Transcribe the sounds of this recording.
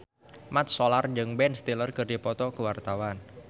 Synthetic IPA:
mat̪̚solard͡ʒɨŋbɛnst̪ilərkɨrdipɔt̪ɔkəwart̪awan

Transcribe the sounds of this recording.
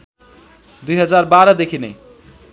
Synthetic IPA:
d̪ujɦʌd͡zaɾbaɾʌd̪ekʰinej

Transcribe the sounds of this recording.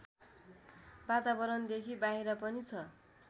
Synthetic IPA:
bat̪abʌɾʌnd̪ekʰibaɦiɾʌpʌnit͡sʰʌ

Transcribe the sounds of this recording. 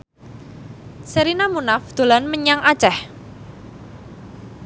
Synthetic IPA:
səɾinamunafd̪̥o̤lanməɲaŋʔat͡ʃɛh

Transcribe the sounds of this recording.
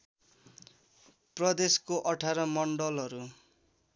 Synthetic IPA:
prʌd̪eskoʔʌʈʰaɾʌmʌɳɖʌlɦʌɾu

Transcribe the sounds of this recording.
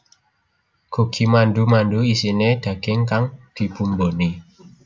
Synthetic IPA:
koɡʰimandumanduisined̪̥a̤ɡ̥ɪŋkaŋd̪̥i̤b̥umboni

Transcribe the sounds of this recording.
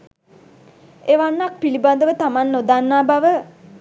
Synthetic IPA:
eːʋanːak̚piliband̪əʋət̪amanːod̪anːaːbaʋə

